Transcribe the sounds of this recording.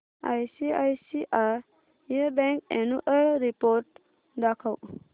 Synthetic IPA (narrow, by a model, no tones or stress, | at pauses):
a̰jsiajsiʔaɾ | jebɛŋkɛnuʔəɾipoɾʈ̚ | d̪akʰaw